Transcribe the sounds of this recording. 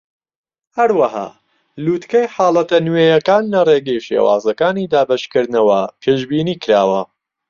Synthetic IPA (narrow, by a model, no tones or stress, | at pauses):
hɐɾwɐha̰ː | luːt̪kɐjħaːlˠɐt̪ɐnwejɐkaːnlɐreːɡɐjʃḛːwa̰ːzɐkaːniːd̪aːbɐʃkɨɾd̪nɐwɐpʰeːʒbiːniːkɨɾaːwɐ